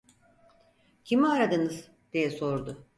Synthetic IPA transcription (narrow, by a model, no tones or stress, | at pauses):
cʰimiaɾad̪ɯnɯz̥ | d̪̥ijɛso̞ɾd̪ʊ